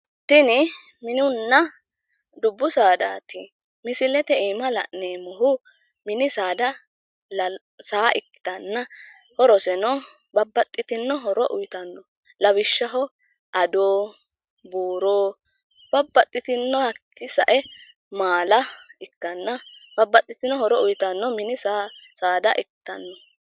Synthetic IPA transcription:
t̪ɪnɪ | mɪnɪʊnːɐ | d̪ʊbːʊsaːd̪aːt̪ɪ | mɪsɪlɛt̪ɛiːmɐlɐ̰ʔneːmɔɦʊ | mɪnɪsaːd̪ɐ | l | saːʔɪkːɪ̥t̪ɐnːɐ | hɔɾɔsɛnɔ | bɐbːɐt̪ʼːɪt̪ɪnːɔɦɔɾɔʔʊjt̪ɐnːɔ | lɐwɪʃːɐɦɔ | ʔɐd̪oː | buːɾoː | b̥ɐbːɐt̪ʼːɪt̪ɪnːɔhɐkːɪsɐʔɛ | maːlɐɪkːɐnːɐbɐbːɐt̪ʼːɪt̪ɪnɔhɔɾɔʊjt̪ɐnːɔmɪnɪsaːsaːd̪ɐʔɪkɪ̥t̪ɐnːɔ

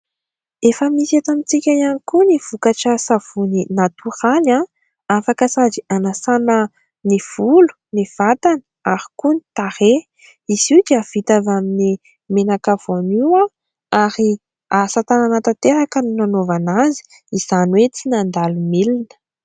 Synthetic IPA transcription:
efəmisat̪amit͡sikʲajanikuniv̥ukaʈ͡ʂəsav̥uninat̪uɾala | afakəsad͡zianasanə | niv̥ulu̥ | niv̥at̪anə̥aɾi̥kuni̥t̪aɾe | izid͡ʒiav̥it̪avamini | menakav̥oniwa | aɾi | asat̪ananat̪at̪eɾakəninanovanazi̥ | iz̥anwet͡sinand̪alumilinə̥

